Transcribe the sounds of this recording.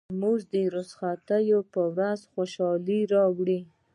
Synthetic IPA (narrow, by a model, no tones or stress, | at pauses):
muzd̪əɾosxat̪əjopəwɾazxoʃɑliɾɑwɽi